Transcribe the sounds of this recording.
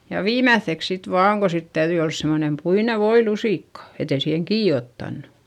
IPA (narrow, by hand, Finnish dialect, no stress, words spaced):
jɑ ʋiːmæθːeks sit ʋɑːŋ ko sit tæyðyi ols semonem puine ʋoilusiˑkːɑ et ei siːheŋ kiː otːɑnːu